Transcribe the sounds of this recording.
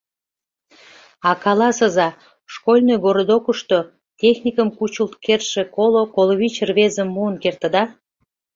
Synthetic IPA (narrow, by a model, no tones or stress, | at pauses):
ɑkɑlɑsəzɑ | ʃkolʲnojɡoɾod̪okəʃt̪o | tʲexnʲikəmkut͡ɕult̪kerʃekolokoloβit͡ɕrβezəmːuənkert̪ə̆d̪ɑ